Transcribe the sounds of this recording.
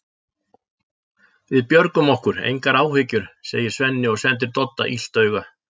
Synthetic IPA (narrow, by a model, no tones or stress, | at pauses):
vɪðpjœɾkʏmɔhkʏɾḛjŋkaɾaːwhɪcʏɾ̥seːjɪ̥svɛnːɪɔɣsɛnt̪̬ɪɾ̥t̪ɔt̪ːa̰ʔil̥t̪œːɥɣa